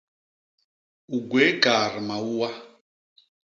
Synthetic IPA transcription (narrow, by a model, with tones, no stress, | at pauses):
u˨ɡwɛ˦ka˨ri˨ma˨uː˦wa˦